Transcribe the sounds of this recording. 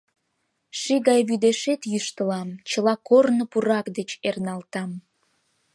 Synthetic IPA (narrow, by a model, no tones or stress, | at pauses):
ʃiɣɑjβyd̪eʃet̪jyʃt̪əlɑmt͡ɕəlɑkornopuɾɑkd̪et͡ɕernɑlt̪ɑm